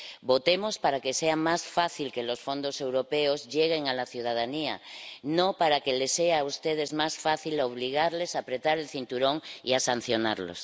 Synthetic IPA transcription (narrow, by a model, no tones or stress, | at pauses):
bo̞t̪e̞mo̞spaɾake̞se̞amasfaθilke̞lo̞sfõ̞nd̪o̞se̞wɾo̞peozʝeɣ̞e̞ŋalaθjuð̞að̞ania̰nõpaɾakele̞seaust̪eð̞e̞zmasfaθiloβ̞liɣ̞aɾle̞sapɾe̞t̪aɾelθint̪uɾõ̞ŋḭasan̟θjo̞na̰ɾlo̰s